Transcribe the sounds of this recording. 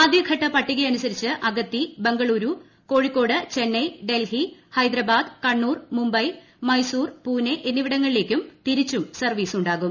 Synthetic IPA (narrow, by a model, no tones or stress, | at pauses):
aːd̪ʱjɐɡʰʱɐʈːɐpɐʈːiɣɐjɐnusɐɾit͡ɕːɨʔɐɡɐt̪ːibe̞ŋɡɐɭuːɾu | ko̞ːɻikːo̞ːɽɨt͡ɕe̞nːɐjɖe̞lhihɐjd̪ɾɐbaːd̪kɐɳːuːrmumbɐj | mɐjsuːrpuːneʔenːiʋiɽɐŋːɐɭile̞ːkʲːumt̪iɾit͡ɕːumsɐrʋiːsuɳɖaːɣum